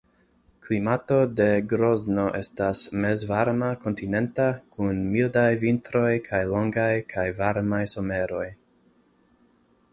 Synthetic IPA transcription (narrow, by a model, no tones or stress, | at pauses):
klimato̞de̞ɡɾo̞zno̞ʔe̞stasme̞zvaɾmako̞ntine̞ntakunmildajvintɾo̞jkʰajlo̞ŋɡajkʰajvaɾmajso̞me̞ɾo̞j